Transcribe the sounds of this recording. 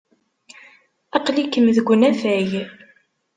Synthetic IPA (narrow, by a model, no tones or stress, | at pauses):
ɑqlikːəmðəɡʷːənæfæj